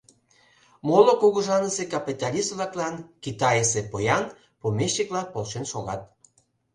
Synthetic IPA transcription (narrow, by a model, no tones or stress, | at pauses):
molokoɣŏʒɑnəsekɑpit̪ɑlʲisβlɑklɑnkit̪ɑjesepojɑn | pomʲeɕːeklɑpolʃenʃoɣɑ̰t̪̚